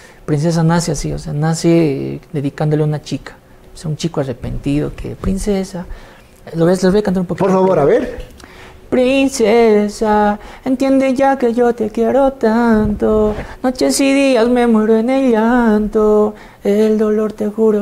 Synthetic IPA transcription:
pɾins̬es̬anaseasioseanased̪eðikand̪oleunat͡ʃikʰḁ | seaunt͡ʃikoarepent̪iðo̰kʰḛpɾinsesa | loβeslozβekanoumpokpoɾfaβoɾaβeɾ | pɾinsesaent̪jend̪eʝakeʝot̪ekjeɾot̪ant̪onot͡ʃesiðiasmemeɾoeneʎant̪o | eeld̪oloɾt̪exuɾo

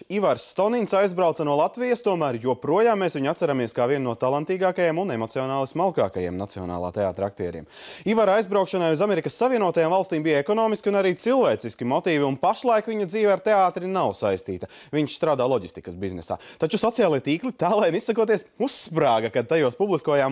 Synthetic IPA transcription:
ivaɾsːt̪ɔniɲʲsajzbɾawt̪ɐnuɔlˠat̪vijɐst̪uɔmæːɾjuɔpɾuɔjaːmːeːsviɲat̪saɾamiɛskaːviɛnːuɔt̪alˠant̪iːɡaːkajemunemɔt̪sionaːlˠismalˠkaːkajḛɛmnat̪siɔ̰na̰ːlˠa̰ːt̪ea̰ːt̪ɾak̚t̪ɛ̰ːɾʲḭɛmivaɾajzbɾawkʃɐnajuzameɾikəsːaviɛuɔt̪ajaːmvalˠst̪iːmbijeɛkɔnɔːmiskʲiunaɾiːt̪silˠvɛːt̪siskʲimɔt̪iːviunpaʃlˠajkviɲɐd̪ziːʋaɾt̪eaːt̪ɾinawsajst̪ḭːt̪ɐviɲʃst̪ɾaːd̪aːlˠɔɟʲist̪ikəsbiznɛsa̰ːt̪at͡ʃusɔt̪sijaːlˠiɛt̪iːklˠit̪aːlˠajnisːɐkuɔt̪iɛsusːpɾaːɡɐkad̪̚t̪ajuɔspublˠiskuɔjaːm

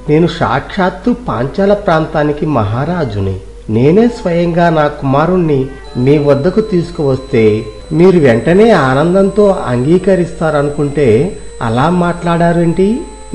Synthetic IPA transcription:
ne̞ːnuʃa̰ːkʂaːt̪ːupa̰ːɲt͡ʃaːlɐpɾaːnt̪aːnikimɐɦaːɾaːd͡ʒunḭ | ne̞ːne̞ːsʋɐjɐŋɡaːnaːkumaːɾunːi | miːʋɐd̪ːɐkut̪iːsu̥kuʋɐst̪e̞ː | miːɾuʋɛɳʈɐne̞ːaːnɐnd̪ɐnt̪o̞ːɐŋɡiːkɐɾist̪aːɾɐnukuɳʈe̞ː | ɐ̰laːmaːʈlaːɽaːɾueɐɳʈi

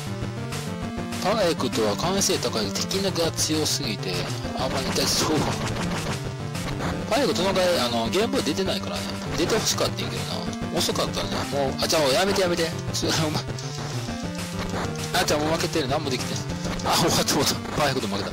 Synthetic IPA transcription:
paekɯ̟t̪o̞βakãɰ̃se̞ːt̪akaid̪et̪ʰe̞̥kʲinaɡat͡sɨjo̞sɨɡʲit̪e̞ | amːaɲʲit̪ːaisso | pãjekɯ̟t̪onoɡaiano̞ɡẽ̞mbɯd̪e̞t̪e̞naikaɾa̰nḛ | d̪e̞t̪e̞ho̞ɕi̥kat̪ːeiŋkeɾona̰ | osokat̪ːana̰moːad͡ʑaːojame̞t̪e̞jame̞t̪e | soɾeoma | ad͡ʑaːmoːmake̞t̪eɾɯnamoːd̪e̞kʲi̥t̪e | aoβat̪ʰːoot̪o | pãjekɯ̟t̪omake̞t̪a

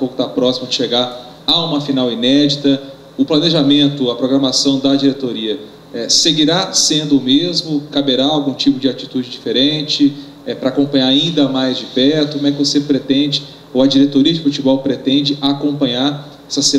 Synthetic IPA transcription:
powkʊt̪apɾɔsimʊd͡ʒɪʃeɡaɾ | aũmɐfinawinɛd͡ʒit̪ɐ | ʊplɐneʒamẽnt̪ʊɐpɾoɡɾɐmasɐ̃w̃d̪ɐd͡ʒiɾet̪oɾiɐ | ɛseɡiɾasẽnd̪ʊːmezmʊkabeɾaawɡũt͡ʃipʊd͡ʒɪat͡ʃit̪ud͡ʒɪd͡ʒifeɾẽt͡ʃɪ | ɛpɾɐaːkõmpɐ̃ɲaɾaĩnd̪ɐmajzd͡ʒɪpɛɾt̪ʊkõmɛkɪvosepɾet̪ẽd͡ʒɪ | owɐd͡ʒiɾet̪oɾiɐd͡ʒɪfut͡ʃibɔwpɾet̪ẽd͡ʒɪʔakõpɐ̃ɲaɾ | ɛsɐse

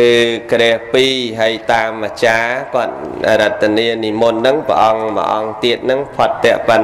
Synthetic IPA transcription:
ɨːkrɛəhpiːɦajt̪aːmːat͡ɕaːkŏət̪̚a̰ɾət̪ːaniəniːmunːɨŋprə̰̆ʔɑŋmə̰ʔɑ̰ŋt̪iət̪̚nɨŋpʰot̪ːɛ̆əʔpən

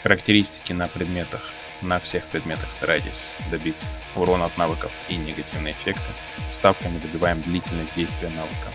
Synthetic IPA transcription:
xəɾəktʲɪɾʲisʲtʲɪ̥kʲɪnəpɾʲɪd̪mʲet̪əx | nɐfsʲe̞xpɾʲɪd̪mʲet̪əxst̪ɐɾʔajɪtʲɪ̰sʲd̪ɐbʲit̪sə̥ | ʊɾo̞nɐt̪navɨkəfinʲɪɡɐtʲivnɨjəɪfʲe̞kt̪ɨ | st̪afkəmʲɪd̪əbʲɪvajɪmd̪lʲitʲɪlʲnəsʲtʲdʲejst̪vʲɪjənavɨkə

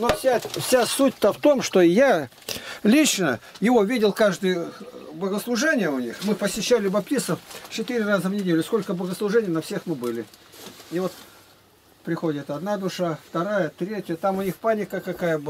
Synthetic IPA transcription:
nofsʲafsʲasut̚ʲt̪əft̪o̞mʂt̪o̞ja | lʲit͡ɕnəjɪvo̞vʲidʲɪlˠkaʐd̪ɨjbəɡəslˠʊʐɛnʲɪjəʊnʲixmɨpəsʲɪɕːælʲɪbɐp̚t̪ʲisəft͡ɕɪt̪ɨɾʲɪrazəvnʲɪdʲelʲʊsko̞lʲkəbəɡəslˠʊʐɛnʲɪjnɐfsʲe̞xmɨbɨlʲɪɪvo̞t̪ | pɾʲɪxo̞dʲɪt̪ɐd̪nad̪ʊʂaft̪ɐɾajət̪ɾʲetʲɪjət̪amʊnʲixpanʲɪkəkɐkajə

